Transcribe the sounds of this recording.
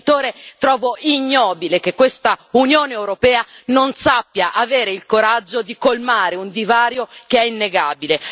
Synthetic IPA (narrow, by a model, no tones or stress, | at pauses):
t̪oːɾet̪ɾɔːvoiɲːɔːbilekekːwest̪aunjoːneewɾopɛːanonsapːjaʔaveːɾeilkoɾad͡ʒːod̪ikolmaːɾeund̪ivaːɾjokeɛinːeɡaːbile